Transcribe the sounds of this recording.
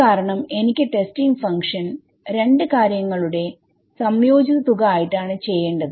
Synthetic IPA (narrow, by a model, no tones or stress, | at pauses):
aːɾɐɳɐme̞nikʲːɨʈe̞stiŋɡfɐŋkʂɐn | ɾe̞ɳɖɨkaːɾjɐŋːɐɭuɽe̞ | sɐmjo̞ːd͡ʑiðɐt̪uɣɐaːjiʈːaːɳɨt͡ɕe̞jːe̞ːɳɖɐðɨ